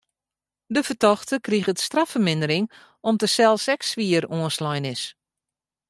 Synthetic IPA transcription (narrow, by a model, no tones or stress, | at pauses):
dəfətɔxtəkriɣətstrafərmɪndəɾɪŋ | ɔmtəsɛlˠsɛksʋiəroənslɔjnɪs